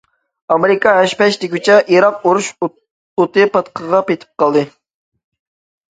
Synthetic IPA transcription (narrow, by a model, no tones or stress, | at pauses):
ɑmeɾɪkʰɑɦæʃpɛʃt̪ɪkʲʰyt͡ʃʰɛʔiɾɑquɾuʃ | ot̪ɨpɑt̪qʰəʁɑpet̪ʰɪ̥p̚qɑlˠd̪ɨ